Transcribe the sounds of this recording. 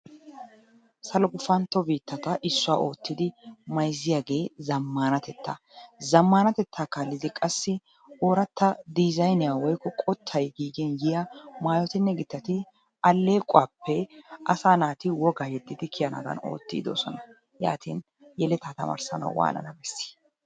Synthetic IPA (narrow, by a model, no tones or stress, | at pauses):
sɐlɔɡʊfɐnt̪ːɔbiːt̪ːɐt̪ɐʔɪsːʊaːʔo̞ːt̪ːɪd̪ɪmɐjzɪjaːɡeːzɐmːaːnɐt̪ɛt̪ːɐ̰ | zɐmːaːnɐt̪ɛt̪ʰːaːkalːɪd̪ɪkʼɐsːɪ | oːɾɐt̪ːɐd̪ɪzɐjnɪjawɔjkːɔkʼɔt̪ʰːɐjɡiːɡɪnjɪjɐmaːjɔt̪ɪnːɛɡɪt̪ːɐt̪ɪ | ɐlːeːkʼʊwaːpːɛʔɐsaːnaːt̪ɪwɔɡaːjɛd̪ːɪd̪ɪkʰɪjɐnɐ̰d̪ɐ̰no̰ːt̪ːḭːd̪o̰ːsɔnɐ | ja̰ːt̪in | jɛlɛt̪aːt̪ɐ̰mɐ̰ɾsɐ̰nɐ̰wwa̰ːnɐ̰nɐbɛsːɪ̥